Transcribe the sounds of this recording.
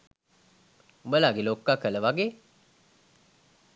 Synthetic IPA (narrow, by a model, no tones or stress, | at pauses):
umbəlaːɡeloːkːakːələʋaɡeː